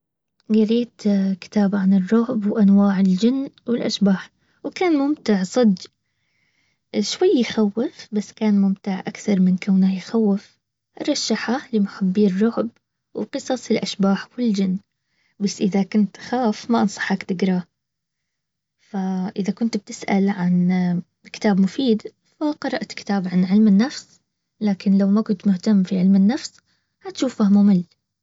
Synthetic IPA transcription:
ɡaɾiːt̪kɪ̥t̪aːbʕanɪrˤːʊʕbwʔanwaːʕɪld͡ʒɪnːwɪlʔa̰ʃbaːħ | wkaːnmʊmt̪ɪʕsˤɑd̪ | ʃwajːɪxawːɪfbasːkaːnmʊmt̪ɪʕʔakθɑɾˤmɪnkawnajɪxawːɪf | ʔɾˤɑʃːaħalɪmʊħabːiːrˤːʊʕb | wqɨsˤɑsˤɪlʔaʃbaːħwɪld͡ʒɪnː | basːʔɪðakʊnt̪xaːfmaʔɑnsˤɑ̥ħakt̪ɪɡɾˤɑː | faʔɪðakʊnt̪b̚t̪ɪsʔa̰lʕan | kɪ̥t̪aːbmʊfiːd̪ | faqɑɾˤɑʔt̪kɪ̥t̪aːbʕanʕɪlmɪnːafs | laːkɪnlawmakʊnt̪mʊht̪amːfiʕɪlmɪnːafs | hat̪ʃuːfahmʊmɪl

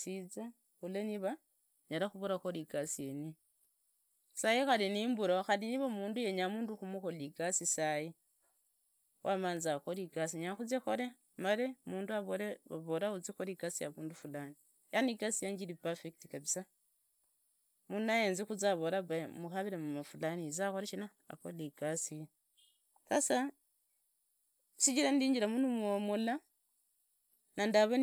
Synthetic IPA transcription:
sit͡sa | uleniβa | ɲalaxuβuɾaxo̞liɡasieni | sajixaliniːmbuɾoxaliniβamuːnduje̞ɲamuːnduxumuxoliɡasisaji | wʔamaːnzaxoliɡasiɲaxut͡sexole | malemuːnduaβoleaβolaut͡sixoliɡasijaβuːndufulani | janiɡasijaɲd͡ʒilipafektikaβisa | munajeːnzixuzaβoɾaβamuxaβiɾemumafulanizaxolet͡ʃina̰ːkoliɡasi | kasa | siɟiɾandiːɲd͡ʒiɾamunumomula | nandaβon

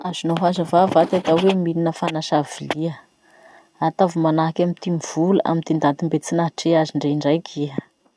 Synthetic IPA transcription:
azunoɦazavavat̪at̪awemilinəfanaʃaviliə | at̪avumanaɦakamit̪imiv̥ulə̰ʔa̰mind̪ind̪ant̪imbet͡sinaɦʈ͡ʂeaziɳɖ͡ʐeɳɖ͡ʐajkʰiə

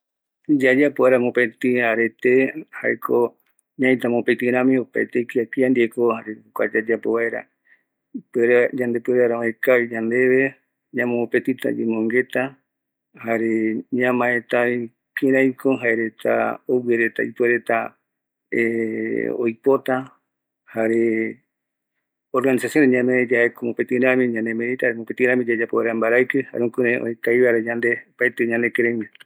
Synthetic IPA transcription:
d͡ʒad͡ʒapoβaɾamopẽt̪ĩaɾe̞t̪ehaekʰo | ɲãĩt̪amopet̪ĩɾãmĩopaet̪eikiakiand̪iekohaɾehokʷa̰d͡ʒad͡ʒapoβaeɾa̰ | peɾad͡ʒand̪e̞peɾaɾaaekaid͡ʒand̪e̞βe̞ | ɲãmãmopẽt̪it̪a̰d͡ʒemõŋɡe̞t̪a | haɾeɲãmãet̪ai | kẽɾãjkʰoɦaeɾet̪ʰa̰oweɾet̪a̰ipweɾe̞t̪a | e | o̰jpot̪a | haɾe | oɾɡanisasjoneɲãmẽd͡ʒahekomopet̪ĩɾãmĩɲãnd̪emẽɾit̪ahɾemopet̪iɾãmĩd͡ʒad͡ʒapoβeɾambaɾajkeha̰ɾeukuɾẽʔo̰ekajβaɾad͡ʒand̪epaet̪eɲãnd̪ekẽɾajme

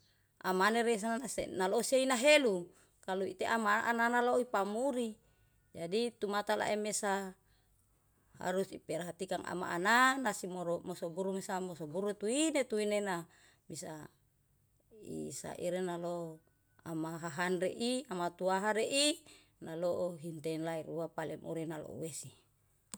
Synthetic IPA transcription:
ʔamaneɾes̬anaasḛnaloseinaɦelu | kaluit̪eʔamaʔa̰nanaloipamuɾi | d͡ʒadit̪umat̪ala̰ʔemesa | ha̰ɾusipɛrɦat̪ikaŋʔa̰ma̰ʔananasimoɾomosobuɾumesamosobuɾut̪uinet̪uinena | bisa | ḭsa̰ʔḭɾenalo | amaɦaɦanreʔiamat̪uaɦaɾeʔi | naloʔoɦint̪enlaiɾuapalemʔṵɾinalo̰ṵwesi

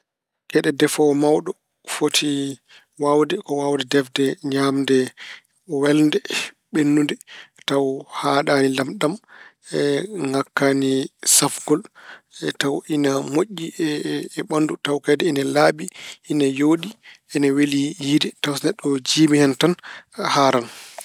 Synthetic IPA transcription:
kɛɗɛdɛfɔwmawɗɔ | fotʰi | wawdɛkɔwawdɛdɛfdɛɲamdɛ | wɛlndɛ | ɓenːundɛtawhaːɗaːnilamɗam | ɛŋɡakːanisafɡɔl | tawʔinamoʔːi | ɓandutawkadɛɛnalaːɓiʔinajoɗiʔɛnawelijidɛtawsnɛɗɔd͡ʒiːmihɛntanhaːɾan

